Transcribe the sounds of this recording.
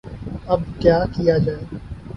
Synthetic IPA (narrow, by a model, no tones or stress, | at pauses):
ɐb̚kjaːkijad͡ʒaːeː